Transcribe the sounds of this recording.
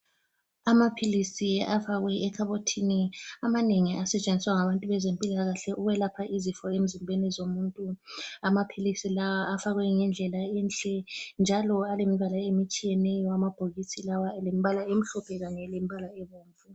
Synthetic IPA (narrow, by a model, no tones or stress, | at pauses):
amapʰilisiafaɣwɛɛkʰaβotʰiniamaneŋiʔasɛt͡ʃʼend͡zʱiswaŋaβantʼuβɛzempʼilaɣaɬɛʔuβɛlapʰaʔizifɔem̩zimbʱenizomuːntʼuamapʰilisilawaːfaɣwɛŋɛnd͡ɮʱɛlaɛnt͡ɬʼɛnd͡ʒʱalɔalemiβalaemit͡ʃʼijɛnɛjɔamab̥ʱoɣisʰilawalemiβalaem̩ɬɔpʰɛɣanɛlemiβalaɛβoːɱvu